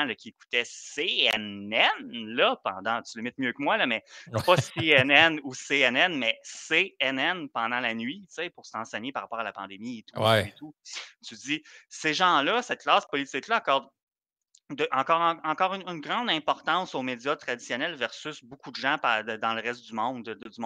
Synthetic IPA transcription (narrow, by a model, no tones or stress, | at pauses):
ləkʲieku̥t̪ɛseɛnɛnlʌpɑ̃d̪ɑ̃t͡s̪yləmɛt̪̚mjøkəmwalʌmɛpɔseɛnɛnuseɛnɛnmɛseɛnɛnpɑ̃d̪ɑ̃lanɥit͡sepʊʁsɑ̃sɛɲepaʁapɑːʁalapɑ̃d̪emiet̪u̥wɛet̪ut͡syd͡zziseʒɑ̃lʌsɛt̪̚klaːspɔlit͡sɪklʌakɔʁd̪ | d̪əʔɑ̃kɑːʁɑ̃ɑ̃kɑːʁynːnɡʁɑ̃d̪ɛ̃pɔʁt̪ɑ̃soːmedd͡zjʌt̪χad̪isjɔnɛlvɛʁsʏsbukud̪əʒãpaəd̪ɑ̃ləʁɛst̪̚d̪ymɔ̃d̪əd̪əd͡zymɔ̃